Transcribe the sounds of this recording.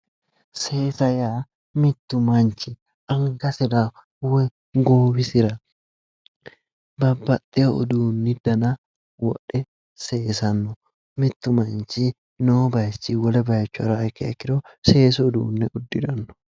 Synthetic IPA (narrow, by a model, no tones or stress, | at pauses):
seːsɐjaː | mɪt̪ːʊmɐnt͡ʃɪ | ʔɐŋkɐsɪɾa | wɛ | ɡoːbɪsɪɾɐ | bɐbːɐt̪ʼːeɔ̰d̪uːnːɪd̪ɐnɐ | wɔ̰ᶑɛ | seːsɐnːʊ | mɪt̪ːʊmɐnt͡ʃi | noːbɐjsiːwɐlɐbɐjɐt͡ʃːʊɐɾaːkḛɐkːɪɾoseːs̬ʊːd̪ṵːnːɪʊd̪ːɪᶑɐnːɔ̥